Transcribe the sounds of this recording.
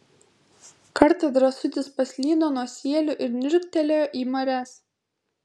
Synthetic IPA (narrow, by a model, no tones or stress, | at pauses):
kɐɾt̪ɐd̪ɾɐsʊt̪ʲɪspɐsʲlʲiːd̪oːnuɔsʲiɛlʲʊʔɪɾnʲɪɾʲkt̪ʲɛlʲejoːʔiːmɐɾʲæs